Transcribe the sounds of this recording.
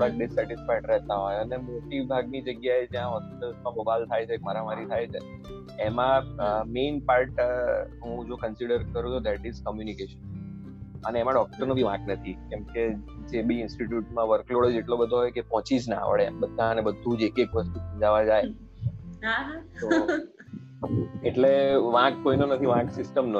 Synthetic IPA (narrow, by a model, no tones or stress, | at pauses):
oɽak̚ɖɪsɛʈɪsfaʈɾɛɦt̪aɦɔjənemoʈibʱaɡnid͡ʒəɡjaed͡ʒjãɦɔspiʈəlsmãmobalt̪ʰajt͡ʃʰek̚maɾamaɾit̪ʰajt͡ʃʰe | emãmenpaɾʈɦũd͡ʒokənsiɽəɾkəɾũt͡ʃʰod̪ɛʈizkəmjunikeʃən | əneːmãɖɔk̚ʈəɾnobʱiʋãknət̪ʰikɛmked͡ʒebiɪnsʈiʈjuʈmãʋəɾkloɭed͡ʒeʈlobəd̪ʱoɦɔjkepɔ̃t͡ʃid͡ʒnaa̰ʋɭebəd̪ʱːãənebəd̪ʱũd͡ʒekekʋəst̪usəmd͡ʒaʋad͡ʒaj | ɦaɦat̪o | eʈleʋãkːoinonət̪ʰiʋãksɪsʈəmnə